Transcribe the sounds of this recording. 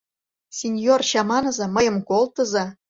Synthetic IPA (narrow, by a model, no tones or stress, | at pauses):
sʲinʲjorɕɑmɑnɤ̆zɤ̆məjə̆mkolt̪ə̆zɑ